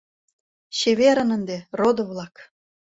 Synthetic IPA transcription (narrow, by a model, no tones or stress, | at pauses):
ɕeβeɾə̆nə̆nd̪erod̪ŏβlˠɑk